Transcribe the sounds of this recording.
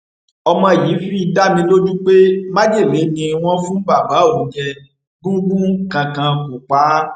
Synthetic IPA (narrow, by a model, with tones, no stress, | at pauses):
ɔ˧mã˧˨ji˨˦fi˦i˧da˦mĩ˧lo˦d͡ʒu˦k͡pe˦ma˦d͡ʒe˦˨le˨˦nĩ˧w̃ɔ̃˦fũ˦ba˦˨ba˨˦o˨˦d͡ʒɛ˧ | ɡũ˦ɡũ˦kã˧kã˧ko˨k͡pa˨˦